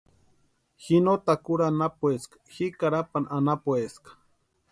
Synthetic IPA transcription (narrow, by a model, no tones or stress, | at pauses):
xinot̪akuɾanapweskḁxikaɾapananapweskḁ